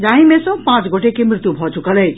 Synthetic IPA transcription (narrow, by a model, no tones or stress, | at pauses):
d͡ʒãɦĩmesʌ̃pãt͡sɡoʈekemɾɪt̪jubʱɔt͡ʃukələt͡ʃʰ